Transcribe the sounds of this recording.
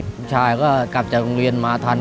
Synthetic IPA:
t͡ɕʰaː˧˩jkɔː˥˩ka˨˩p̚t͡ɕaː˨˩k̚ɾo˧ŋɾi˧ənmaː˧t̪ʰaː˧n

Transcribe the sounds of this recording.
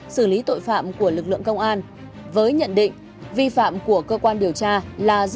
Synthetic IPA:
sɨ˧˩li˨˦t̪o̰˧˨jfa̰ː˧˨mku˧˩əlɨ˨˩k̚lɨ̰˧˨əŋkə˧wŋ͡mʔaː˧n | vəː˨˦jɲə̰˧˨nɗḭ̈˧˨ŋ̟ | vi˧fa̰ː˧˨mku˧˩əkəː˧kwaː˧nɗi˨˩əwt͡ɕaː˧laː˨˩z

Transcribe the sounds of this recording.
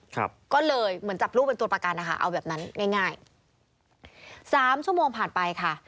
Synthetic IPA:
kʰa̰˦˧˩p̚kɔː˥˩lɤː˧jmɯ˩˦nt͡ɕa˨˩p̚ɾuː˥˩pe˧nt̪u˧ɐpɾa˧ka˧nːa˦˥kʰa̰˥˩ʔa̰˧wbɛː˨˩p̚na˦˥nŋaː˥˩jŋaː˥˩j | saː˩˦mt͡ɕʰu˥əmoː˧ŋpʰaː˨˩npa˧jkʰa˥˩

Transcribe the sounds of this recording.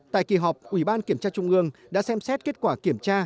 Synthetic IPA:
t̪a̰˧˨jki˨˩ɦɔ˨˩wk͡p̚ʔwi˧˩ɓaː˧nki˧˩əmt͡ɕaː˧t͡ɕʊ˧ŋ͡mʔɨ˧əŋɗa̰ː˧˥sɛ˧msɛ˦˥t̚ke˦˥t̚kwaː˧˩ki˧˩əmt͡ɕaː˧

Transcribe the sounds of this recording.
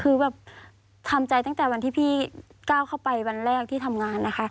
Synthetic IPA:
kʰɯː˧bɛː˨˩p̚ | t̪ʰa˧mt͡ɕa˧jt̪a˥˩˨t̪ɛː˨˩wa˧nt̪ʰiː˥˩pʰiː˥˩kaː˥˩wkʰa˥˩wpa˧jwa˧nlɛː˥˩k̚t̪ʰiː˥˩t̪ʰa˧mŋaː˧nːa˦˥xʰa˦˥

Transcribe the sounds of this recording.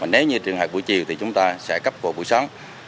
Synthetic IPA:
vaː˨˩ne˨˦wɲɨ˧t͡ɕɨ˨˩əŋɦaː˨˩k̚ɓu˧˩jt͡ɕi˨˩əwt̪ʰi˨˩t͡ɕʊ˨˦ŋ͡mt̪aː˧sɛ̰˧˥kə˦˥p̚ko˧˩ɓṵ˧˩jsɔ˨˦ŋ͡m

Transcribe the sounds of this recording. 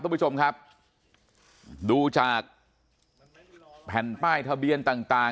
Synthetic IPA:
t͡ɕʰo˧mkʰa˦˥p̚ | duː˧t͡ɕaː˨˩k̚ | pʰɛ˨˩npaː˥˩jt̪ʰa˧bi˧ənt̪aː˨˩ŋt̪aː˨˩

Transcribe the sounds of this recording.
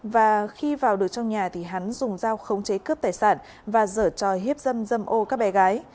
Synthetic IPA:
vaː˨˩xi˧vaː˨˩wɗɨ˨˩ək̚t͡ɕɔ˧wŋ͡mɲaː˨˩t̪ʰi˨˩ɦa˨˦nzʊ˨˩ŋ͡mzaː˧wxə˨˦wŋ͡mt͡ɕe˨˦kəː˦˥p̚t̪aː˧˩jsaː˧˩n | vaː˨˩zəː˧˩t͡ɕɔ˨˩ɦi˦˥əp̚zə˧mzə˧mʔo˧kaː˦˥k̚ɓɛ˨˦ɣaː˨˦j

